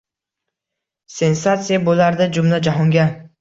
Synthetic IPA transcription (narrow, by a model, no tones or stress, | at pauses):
se̞nsat̪sijabolaɾd̪ad͡ʒʊmlad͡ʒaɦɒŋɡʲa